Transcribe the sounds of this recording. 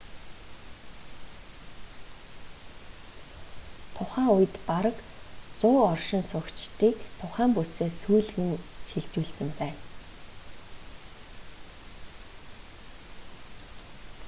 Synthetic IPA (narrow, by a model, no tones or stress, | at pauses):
t̪ʰʊχæːʊj̆t̪paɾə̆kt͡sʊːɔrʃɪ̆nsʊkt͡ɕt̪iːkt̪ʰʊχæːmpuseːsujɮɣɘ̆nʃiɮt͡ɕuːɮsɘ̆mpæːn